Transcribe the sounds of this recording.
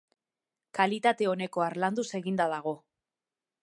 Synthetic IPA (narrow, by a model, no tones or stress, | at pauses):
kalit̪at̪e̞o̞ne̞ko̞aɾland̪use̞ɣind̪aðaɣ̞o̞